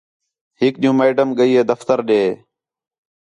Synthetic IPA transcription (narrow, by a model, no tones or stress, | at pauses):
ɦɪkɗijũːmeːɖəmɠəiːɦeːd̪əft̪əɾɗeː